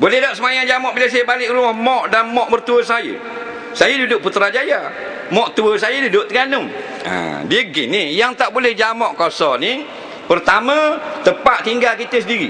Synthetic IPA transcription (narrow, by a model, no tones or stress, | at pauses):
bolɛdaʔsəmajaŋd͡ʒamɔʔbiləsajəbalɪʔɾumahmɔʔdanmɔʔbərt̪uəsajə̰ | sajədudʊʔ̚put̪ɾad͡ʒaja | mɔʔt̪uəsajədudʊʔt̪əɡanʊm | ə̰diɡɪnijaŋt̪aʔbulɛhd͡ʒamɔʔkɔsɔni | pərt̪amə̃t̪əpaʔt̪iŋɡalkit̪əsədiɾi